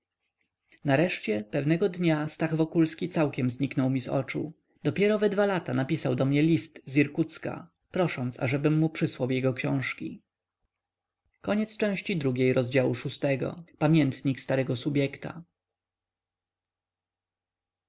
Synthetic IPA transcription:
naɾɛʂt͡ɕɛpɛvnɛɡɔd̪ɲast̪aɣvɔkulskʲit̪sawkʲɛmzɲiknɔwmʲizɔ̰t͡ʂṵ | d̪ɔpʲjɛɾɔvɛd̪valat̪anapʲisawd̪ɔmɲɛlʲist̪zʲiɾkut̪ska̰ | pɾɔʂɔnt̪sa̰ʐɛbɘmːupʂɘswawjɛɡɔkɕɔ̃w̃ʂkʲi | kɔɲɛt̪st͡ʂɛ̃w̃ɕt͡ɕid̪ɾuɡʲejɾɔzd͡ʑawuʂust̪ɛɡɔ̰pamʲjɛnt̪ɲikst̪aɾɛɡɔsubʲjɛkt̪a̰

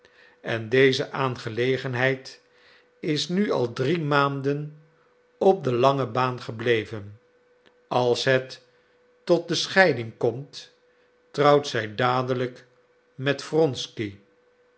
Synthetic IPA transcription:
ɛndejzəʔaːnχəlejχənɦɛjt | ɪsnyɑ̰lˠdrimaːndən | ɔp̚dəlɑŋəbaːnχəblejvən | ʔɑlˠsɦɛtː | ɔt̚dəsχɛjdɪŋkɔmt | trɑwtsɛjdaːdələk | mɛtfrɔnski

